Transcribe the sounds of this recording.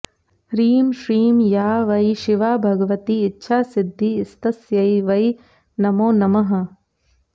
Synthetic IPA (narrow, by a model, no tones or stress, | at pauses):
ɾiːmʃɾiːmjaːʋɐjʃiʋaːbʱɐɡɐʋɐt̪iːtːʃʰaːsid̪ʱːiːst̪ɐsjɐjʋɐj | nɐmoːnɐmɐɦɐ̆